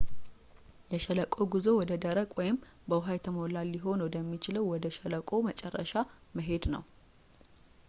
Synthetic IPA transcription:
jɛʃɛləkʼo̞ɡizowɔd̪əd̪əɾəkʼwɔjɪm | bəwʊɦajt̪ʰəmolalːɪɦo̞nwɔd̪əmːit͡ʃɪləwwɔd̪əʃələkʼo̞mət͡ʃʼɛrːə̰ʃa | məɦe̞d̪nə̰w

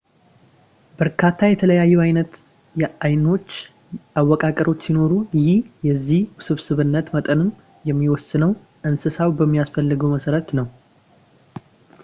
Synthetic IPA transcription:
bəɾkʰat̪ʰːajɛt̪ʰələjajːɛajnət̪ | ajno̞t͡ʃː | awːɔkʼakʼəɾo̞t͡ʃːsino̞ɾujɪhjɛzːihsɨβsɨβɨnːət̪mət̪ʼənɨm | jɛmːiwɔsːɨnəw | ʔɨnsɨsawbəmːijasfəlːɨɡəwməsəɾət̪nəw

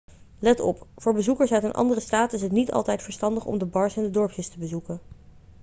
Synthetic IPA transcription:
lɛtɔ̰pfʊːɹbəzukəɹsœɥtənʔɑ̰ndərəstaːtɪsɦətnitɑ̰lˠtɛjtfəɹstɑndəχɔ̰mdəbɑɹsɛndədɔɹpʰjəstəbəzukən

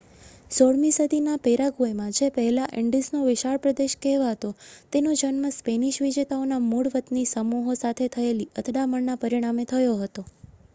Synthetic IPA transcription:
soɽmisəd̪ʱinapeɾaɡuemãd͡ʒepəɦɛlaʔɪɳɖisnoʋɪʃaɭpɾəd̪eʃkɛɦʋaɦət̪ot̪enod͡ʒənməspeniʃʋid͡ʒet̪aonamuɽʋət̪nisəmuɦosat̪ʰet̪ʰəeliət̪ʰɽaməɳnapəɾiɽ̃amet̪ʰəjoɦət̪o

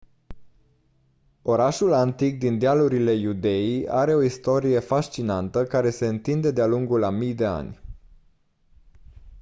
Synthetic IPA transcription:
o̞ɾaʃulant̪ik̚d̪ind̪ealuɾile̞jud̪e̞iaɾe̞o̞ist̪o̞ɾije̞faʃt͡ʃinant̪əkaɾe̞se̞ɨnt̪ind̪e̞d̪ealuŋɡulamijd̪e̞a̰nʲ

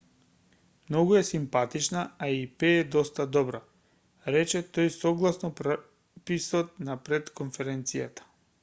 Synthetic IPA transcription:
mnɔɡuɛsimpat̪it͡ʃnaaipɛːd̪ɔst̪ad̪ɔbɾa | ɾɛt͡ʃɛt̪ojsɔɡlˠasnɔp | pisɔt̪̚napɾɛt̪konfɛɾɛnt̪sija̰t̪ḁ

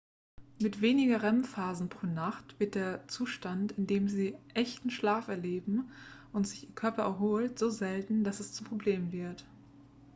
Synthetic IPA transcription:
mɪtv̥eːnɪɡɐʁɛmfaːzn̩pʁ̥oːnaχtv̥ɪt̚d̥eːɐt͡suːʃtantɪndeːmziːʔɛçtn̩ʃlaːfɛɐleːbm̩ | ʊntz̥ɪçiːɐkʰœɐpɐʔɛɐɦoːltz̥oːzɛltn̩d̥asɛst͡sumpʁ̥obleːmənvɪɐt

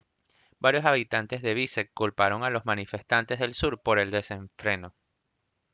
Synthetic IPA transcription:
baɾjo̞saβit̪ant̪e̞zðe̞βisekːulpaɾo̞ŋalo̞zmanife̞st̪ant̪e̞zðe̞lsuɾpo̞ɾe̞ld̪e̞se̞ɱfɾe̞no̞

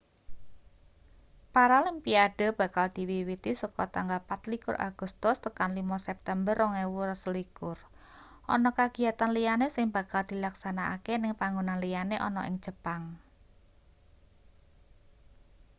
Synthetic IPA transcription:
paɾalimpiaɖ̥ə̤b̥a̤kald̪̥i̤wiwit̪isɔkɔt̪aŋɡalpat̪likʊɾʔa̰ɡ̥ʊ̤st̪ʊst̪əkanlimɔsɛp̚t̪ɛmbərɔŋewuɾɔslikʊr | ʔɔ̰nɔkaɡ̥i̤at̪anlijanesɪŋb̥a̤kald̪̥i̤laksanaʔa̰kenɪŋpaŋɡunanlijaneʔɔnɔʔɪ̰ŋ̥d͡ʒ̥ə̤paŋ

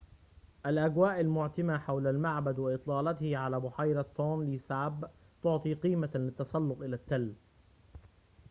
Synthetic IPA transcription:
ʔalʔaɡwaːʔalmʊʕt̪ɪmaːħawlalmaʕbad̪waʔɨt̪ˤlɑːlɑt̪hɪʕalaːbʊħajɾɑt̪ːoːnliːsaʕb | t̪ʊʕt̪ˤiːqiːmalɪt̪ːɑsˤɑlːʊqʔɪlat̪ːalː

